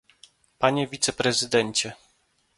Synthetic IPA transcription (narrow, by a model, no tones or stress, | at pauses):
paɲevʲit̪sɛpɾɛzɘd̪ɛɲt͡ɕɛ